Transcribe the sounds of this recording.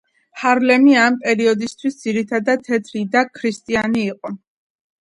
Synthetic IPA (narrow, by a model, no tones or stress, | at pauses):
haɾlɛmiampʼɛɾiɔd̪ist̪ʰwisd̪ziɾit̪ʰad̪at̪ʰɛt̪ʰɾid̪akʰɾist̪ʼianiːqʼɔ